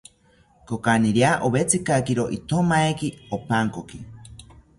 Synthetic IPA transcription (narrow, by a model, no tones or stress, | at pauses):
kokaniɾjaʔoβet͡sikakiɾoʔit̪ʰomaekiopaŋkoki